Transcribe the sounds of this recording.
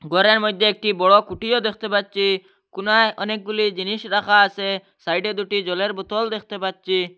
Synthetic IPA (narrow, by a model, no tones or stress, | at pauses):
ɡɔɾeɾmɔjd̪ʱːeek̚ʈibɔɽɔkuʈijod̪ekʰt̪epatːt͡ʃʰi | kunajʔɔnek̚ɡulid͡ʑiniʃɾaxaːse | sajɖed̪uʈid͡ʒɔleɾbut̪ɔld̪ek̚ʰt̪epatːt͡ʃi